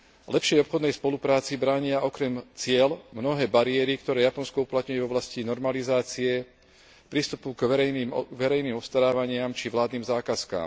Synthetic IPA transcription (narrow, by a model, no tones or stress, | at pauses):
lɛpʃɪɛjɔpxɔd̪nɛjspɔlupɾaːt͡sibɾaːɲɪaʔɔkɾɛmt͡sɪɛlmnɔɦɛːbaɾiɪɛɾikt̪ɔɾɛːjapɔnskɔuplat̪ɲujɛvɔblascinɔɾmalizaːt͡siɛ | pɾist̪upuɡʋɛʋɛɾɛjniːmɔfst̪aɾaːʋaɲɪamt͡ʃiʋlaːd̪niːmzaːkaska̰ːm